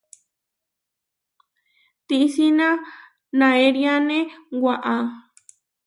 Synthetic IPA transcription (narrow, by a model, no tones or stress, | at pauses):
t̪isinã | nãeɾjanẽwʷaʔa